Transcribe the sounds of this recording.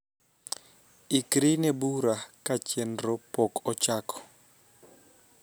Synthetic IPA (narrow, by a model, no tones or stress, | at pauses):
ikɾinebuɾakat͡ʃɛnɾopɔkɔt͡ʃakʰɔ̥